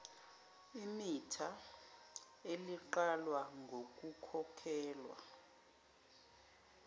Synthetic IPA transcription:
imitʰa | eliǃalwaŋɡʱok̬ʼukʰɔkʰɛːlwa̰

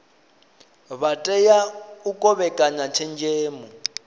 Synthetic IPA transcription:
βatʼɛjaukʼɔβɛkʼaɲat͡ʃʰɛnd͡ʒeːmu

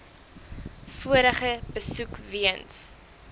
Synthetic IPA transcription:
fuəɾəχəbəsukviəns

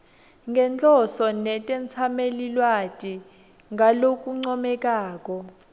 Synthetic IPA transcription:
ŋɡɛnt͡ɬʼɔsɔnɛtʼɛnt͡sʰamelilwatʼi | ŋalok̬ʼuŋ͡ǀɔmɛk̬ʼaːk̬ʼɔ

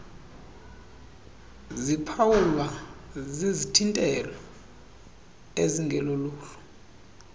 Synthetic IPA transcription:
zipʰawulwazizitʰintʼɛlɔ | eziŋʱɛloluːlɔ̥

